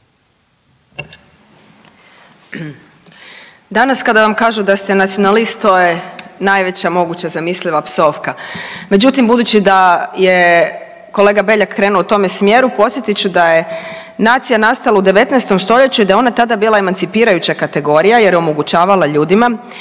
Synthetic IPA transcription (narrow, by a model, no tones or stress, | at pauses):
d̪anaskad̪aʋamkaːʒud̪ast̪enat̪sio̞nalist̪t̪oje̞najʋe̞t͡ɕamo̞ɡut͡ɕazamisliʋapso̞fkame̞d͡ʑut̪imbud̪uːt͡ɕid̪aje | ko̞le̞ːɡabe̞ʎakːɾe̞ːnulout̪o̞mesmjeːɾupo̞t̪sje̞t̪it͡ɕud̪aje̞ | naːt̪sijanast̪alaud̪e̞ʋe̞t̪naest̪o̞mst̪o̞ʎe̞t͡ɕuid̪ajeo̞nat̪ad̪abiːlaemant̪sipiːɾajut͡ɕakat̪e̞ɡo̞ɾijaje̞ɾjeo̞mo̞ɡut͡ɕaːʋalaʎuːd̪ima